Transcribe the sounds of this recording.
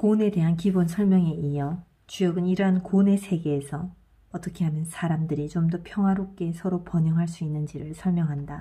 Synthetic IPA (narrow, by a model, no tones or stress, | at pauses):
kone̞de̞ɦankibonsʰʌɭmjʌŋe̞ʔijʌ | t͡ɕujʌɡɯniɾɦankone̞sʰe̞ɡe̞ːsʰʌ | ʌt͈ʌkʰe̞ɦanjɯnsʰaɾamdɯɾit͡ɕomdʌpʰjʌŋɦwaɾop̚k͈e̞sʰʌɾopʌɲjʌŋɦaɭs͈uinːɯnd͡ʑiɾɯɭsʰʌɭmjʌŋɦanda